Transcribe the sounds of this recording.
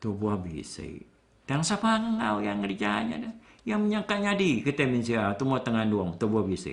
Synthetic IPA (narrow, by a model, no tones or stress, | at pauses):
t̪obuabḭsḛḭ | t̪aaŋsapaŋaŋaujaŋəɾid͡ʒaɲa̰dajaŋməɲakaɲadikət̪eminsiat̪umuat̪əŋanduɔŋt̪obuabisə̰